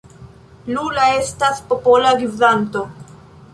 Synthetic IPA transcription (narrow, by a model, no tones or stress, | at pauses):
lulae̞staspo̞po̞laɡivdanto̞